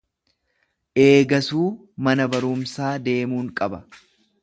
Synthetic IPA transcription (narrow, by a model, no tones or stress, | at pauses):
ʔe̞ːɡɐsuː | mɐnɐbɐɾʊmsaːd̪e̞ːmuːŋkʼɐbɐ